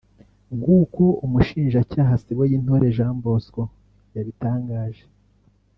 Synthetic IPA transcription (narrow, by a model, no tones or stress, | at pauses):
ɡukoumuʃiːnʒacaːɦasiɡwejin̥hoɾe̞ʒaːmbo̞sko | jaβitaːŋɡaːʒe̥